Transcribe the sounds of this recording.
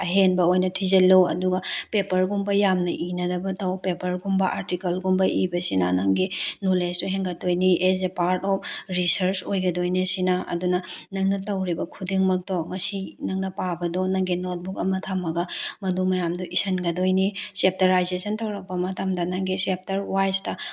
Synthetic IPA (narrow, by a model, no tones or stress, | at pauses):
ɐɦenbɐojnɐtʰizɐlowɐ̰duɡɐpepɐɾɡumbɐjamnɐʔinɐdɐbɐtɐwpepɐɾɡumbɐʔa̰ɾtikɐlɡumbɐʔibɐsinɐnɐŋɡinolestɔɦeŋɡɐtdojniezepaɾtɔp̚ɾisɐɾt͡ʃojɡɐdojnɐsinɐʔɐ̰dunɐnɐŋnɐtɐwɾibɐkʰudeŋmɐk̚tɔŋɐsinɐŋnɐpabɐdɔnɐŋɡinot̚bukɐmɐtʰamːɐɡɐmɐdumɐjamdɔʔisɐnɡɐdojnisep̚teɾajzesɐntɐwɾɐk̚pɐmɐtɐmdɐnɐŋɡisep̚tɐɾwajstɐ